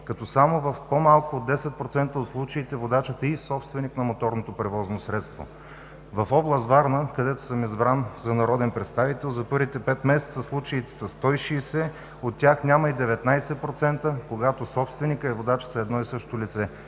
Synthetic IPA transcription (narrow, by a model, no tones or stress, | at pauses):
kɐt̪ɔsamovɐfpomalˠkoːd̪ːɛsɛt̪̚pɾot̪sɛnt̪əot̪slˠut͡ʃɐit̪ɛvod̪at͡ʃət̪əisɔpst̪vɛniknɐmot̪ɔɾnot̪opɾɛvɔznosɾɛt̪st̪vo̰ | vɐfɔblˠəst̪vaɾnəkɐd̪ɛt̪o̥səmizbɾanzɐnɐɾɔd̪ɛnpɾɛt̪st̪avit̪ɛlˠzɐpɤɾvit̪ɛpɛt̪mɛsɛ̥t̪səslˠut͡ʃɐit̪ɛ̥sɐst̪ɔjʃiːsɛ | ot̪ːʲjaxnʲamɐid̪ɛvɛt̪najsɛpɾot̪sɛnt̪əkoɡat̪osɔpst̪vɛnikəɛvod̪at͡ʃə̥zɐɛd̪nɔisɤʃt̪olit̪sɛ